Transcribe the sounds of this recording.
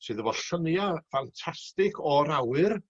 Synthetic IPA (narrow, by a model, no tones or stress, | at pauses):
sɨːðəvɔɬənjafantʰastɪkʰɔɾawɨr